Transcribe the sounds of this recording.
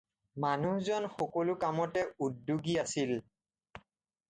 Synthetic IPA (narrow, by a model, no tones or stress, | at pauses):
manuhzɔnxɔkɔlʊkamɔtɛudːuɡiasil